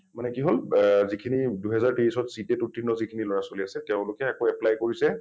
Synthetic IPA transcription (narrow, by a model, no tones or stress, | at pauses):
manɛkiɦolzikʰiniduɦɛzaɹtiɹisɔtsitɛtutʰɹinɔzikʰiniloɹasoliasɛtɛʊ̃lʊkɛakoɛplajkoɹisɛ